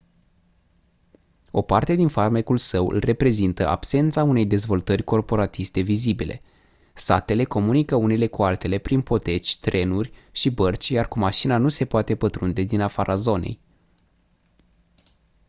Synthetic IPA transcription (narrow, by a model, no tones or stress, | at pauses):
o̞part̪e̞d̪infarmekulsəwɨ̰lre̞pɾe̞zint̪əʔa̰bse̞nt̪saune̞jd̪e̞zvo̞lt̪ərʲko̞rpo̞ɾat̪ist̪e̞vizibile̞̰ | sat̪e̞le̞ko̞munikəune̞le̞kualt̪e̞le̞pɾinpo̞t̪e̞t͡ʃʲt̪ɾe̞nurʲʃibərt͡ʃʲjarkumaʃinanuse̞poat̪e̞pət̪ɾund̪e̞d̪inafaɾʔazo̞ne̞̰j